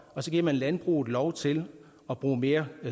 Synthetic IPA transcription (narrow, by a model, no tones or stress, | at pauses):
ɒ̽sɒ̽ɡ̥iɐmænlænb̥ʁṵːð̩ˠlɒʊt͡sʰe̝l | ɒ̽b̥ʁṵːme̝ːɐ